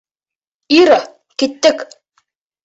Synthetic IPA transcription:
iɾɑ | kit̪ːɘk

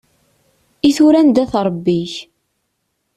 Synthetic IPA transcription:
iθuɾænd̪æθɾˤbːiç

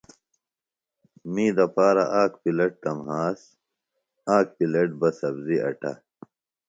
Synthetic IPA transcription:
miːd̪ɐpaːɾɐʔaːkpileʈ̚t̪ɐmɦaːs | aːk̚pileʈ̚bɐsɐbziʔɐ̰ʈɐ̰

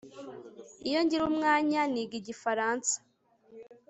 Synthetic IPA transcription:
ijo̞ɲɟiɾumŋaːɲaniɡiɟifaɾaːnsḁ

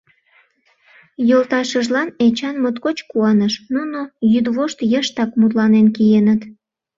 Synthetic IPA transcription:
jolt̪ɑʃəʒlɑnet͡ɕɑnmot̪kot͡ɕkuɑnəʃnunojyd̪βoʃt̪jəʃt̪ɑkmut̪lɑnenkijenət̪

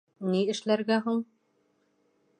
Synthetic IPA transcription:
niɘ̆ʃlæɾɡæɦuɴ

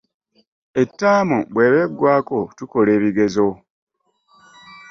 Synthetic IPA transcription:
e̞tːaːmubwe̞ːβeɡːwaːko̞tuko̞le̞ːβiɡe̞zo̞

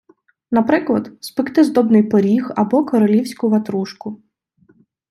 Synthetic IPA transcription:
nɐpɾɪklˠɐd̪spɪkt̪ɪzd̪ɔbnɪjpɔɾʲixɐbɔkɔɾɔlʲiwsʲkʊʋɐt̪ɾuʃkʊ

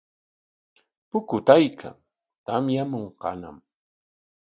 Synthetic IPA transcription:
pʊkʊt̪ajkʰa̰ŋ | t̪amjamoɴqɑ̰na̰m

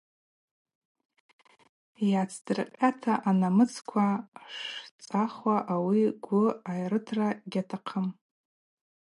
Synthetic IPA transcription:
jat͡sʰdɨrqʲʼatʰaʔanamɨt͡sʰkʷʰaʂt͡sʼaχwaʔawiɡʷʊajrɨtʰraɡʲatʰaqʰəm

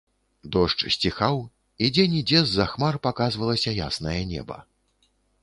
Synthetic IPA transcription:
d̪ɔʂt͡ʂsʲt͡sʲixaw | id͡zʲɛnʲid͡zʲɛzːɐxmarpakazvɐlˠɐsʲɐja̰snɐjɐnʲɛ̰bɐ̰

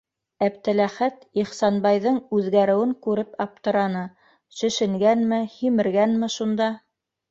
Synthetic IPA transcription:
æp̚t̪ɘ̆læχæt̪iχsɑnbɑjðɤɴʉðɡæɾɘ̆wɘŋkʉɾɘpɑp̚t̪ɤ̆ɾɑnɤ | ʃɵ̆ʃɘ̆ŋɡænmɘhimɘ̆ɾɡænmɘʃund̪ɑ

